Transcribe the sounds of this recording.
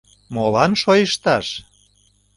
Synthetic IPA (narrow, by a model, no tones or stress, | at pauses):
molɑnʃojəʃt̪ɑʃ